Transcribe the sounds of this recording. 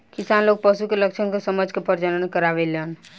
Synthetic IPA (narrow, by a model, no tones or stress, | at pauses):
kisanloɡ̚pəʃukeləkt͡ʃʰənkesəməd͡ʒʱkepəɾt͡ʃələnkəɾaβelən